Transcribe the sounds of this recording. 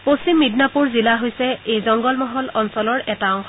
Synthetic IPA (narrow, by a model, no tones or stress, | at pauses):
posimːidnapuɹzilaɦojsɛejzɔŋɡɔlmɔɦɔlɔnsɔlɔɹɛtaɔŋkʰɔ